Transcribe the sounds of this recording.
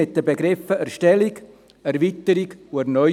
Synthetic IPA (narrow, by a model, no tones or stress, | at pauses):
ɪt̚d̥əbeɡɾɪfəɛɾʃtɛliɡ | ɛɾvitəɾiɡuɛɾnœ